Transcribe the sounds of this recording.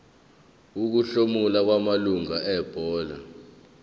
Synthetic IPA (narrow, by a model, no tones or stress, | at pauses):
uk̬uɬomulak̬wamaluŋaɛb̥ʱɔːla̰